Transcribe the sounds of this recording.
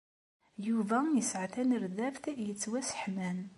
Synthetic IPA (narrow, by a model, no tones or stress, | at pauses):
juvæjəsʕθænəɾðæfθjət͡sːwæsə̥ħmæn